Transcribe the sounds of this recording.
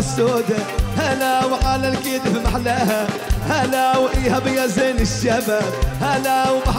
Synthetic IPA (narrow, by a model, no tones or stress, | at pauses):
sːoːd̪ahalawħaːlalkiːd̪fimaħlahahalawʔiːhabɪjazeːnɪʃːabahalawbaħ